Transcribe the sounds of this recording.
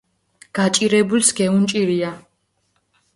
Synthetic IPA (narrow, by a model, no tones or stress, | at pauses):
ɡ̥at͡ʃʼiɾɛbulsɡɛunt͡ʃʼiɾia